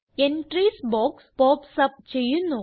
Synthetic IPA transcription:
enʈriːsboːkspoːpsɐp̚t͡ɕe̞jːunːu

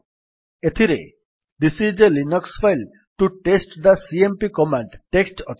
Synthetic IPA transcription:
et̪ʰiɾḛ | d̪isid͡ʒelinɔksfajl | ʈuʈesʈd̪ɐsiempikɔmaɳɖʈeksʈɔt͡ʃ

